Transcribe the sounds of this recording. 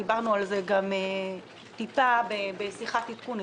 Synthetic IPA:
ibaʁnualzeɡame | t̪ipabebesiχat̪it̪kun

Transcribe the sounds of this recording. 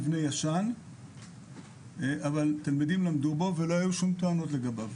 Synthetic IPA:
vnejaʃan | ʔavalt̪almid̪imlamd̪ubo̞ve̞lo̞hajuʃumt̪oano̞tle̞ɡabav

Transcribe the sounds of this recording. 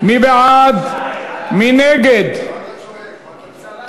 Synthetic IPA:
mibead̪ | mineɡed̪

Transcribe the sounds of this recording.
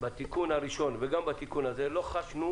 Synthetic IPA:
bat̪ikunhaʁiʃo̞nveɡambat̪ikunaze̞lo̞χaʃnu

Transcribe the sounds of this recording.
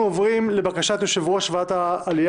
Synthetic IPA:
ovʁimle̞bakaʃat̪joʃevuhaʃvaat̪aːlij

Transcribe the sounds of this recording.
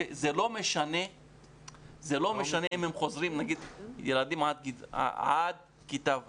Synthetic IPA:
ezelo̞me̞ʃane̞ | zelo̞me̞ʃaneʔimhemχo̞zʁimnaɡid̪jelad̪imʕad̪̚kia̰ʕad̪ | kit̪av

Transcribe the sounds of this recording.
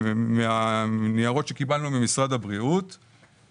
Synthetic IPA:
meaniaʁo̞t̪ʃe̞kibalnumimisʁad̪abʁiut̪

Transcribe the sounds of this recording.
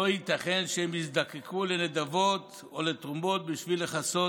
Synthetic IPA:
ohit̪aχe̞nʃeemisd̪akekʰulened̪avo̞t̪ | olet̪ʁumo̞t̪̚biʃvileχaso

